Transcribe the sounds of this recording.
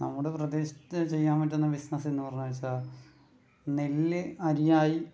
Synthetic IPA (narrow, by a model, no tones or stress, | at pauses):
nɐmːuɽeprɐd̪eːɕi̥tːɨt͡ɕe̞jːaːmpɐʈ̬ːenːɐbisnɐsenːupɐrɐɲːaːʋit͡ɕːaː | nelːɨɐɾijaːji